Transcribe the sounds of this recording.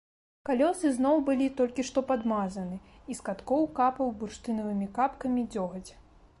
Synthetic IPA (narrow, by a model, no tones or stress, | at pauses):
kalʲɔsɨznɔwbɨlʲit̪ɔlʲkʲiʂt̪ɔpad̪mazɐnɨ | iskat̪kɔwkapɐwbuʂt̪ɨnɐvɨmʲikapkɐmʲid͡zʲɔɣɐd͡zʲ